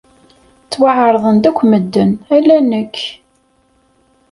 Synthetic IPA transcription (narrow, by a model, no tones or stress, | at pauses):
t͡sːwaʕəɾˤðˤənd̪ækʷːməd̪ːənælːænəkː